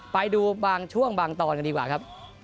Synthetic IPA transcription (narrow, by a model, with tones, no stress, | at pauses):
pa˧jduː˧baː˧ŋt͡ɕʰu˥˩əŋbaː˧ŋt̪ɔː˧nka˧ndiː˧kwaː˨˩kʰa˦˥p̚